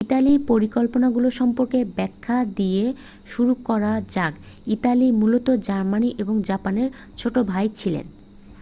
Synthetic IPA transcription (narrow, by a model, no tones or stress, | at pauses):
italipoɾikolponaɡuloʃɔmpoɾkebɛkʰːad̪ie | ʃuɾukɔɾad͡ʑaɡ | it̪alimulot̪od͡ʑaɾmaniʔeboŋd͡ʑapaneɾ | t͡ɕʰoʈobʱajt͡ɕʰilḛn